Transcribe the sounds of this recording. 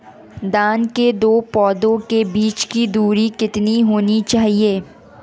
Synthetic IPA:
d̪aːnked̪oːpɔːd̪õkebiːt͡ʃkid̪uːɾikɪt̪niɦoːnit͡ʃaːɦieː

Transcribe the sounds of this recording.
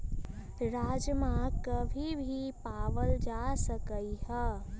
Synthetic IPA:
ɾaːd͡ʒmakəbʱibʱipaːʋəld͡ʒasəkəihɛ

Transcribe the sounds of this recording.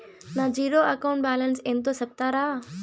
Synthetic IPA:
naːd͡ʑiːɾoɐkaːʊ̃ɳʈ̚baːlənsẽːnt̪osɐb̚t̪aɾaː

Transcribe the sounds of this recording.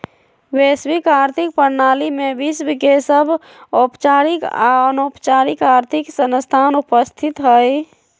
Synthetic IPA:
weswikaːɾt̪ʰik̚pəɾnalimẽbisbikesəbʱ | opt͡ʃaːɾika̰ənoːpt͡ʃaːɾikaːɾt̪ʰiksənst̪ʰanupəst̪ʰit̪ɦəj

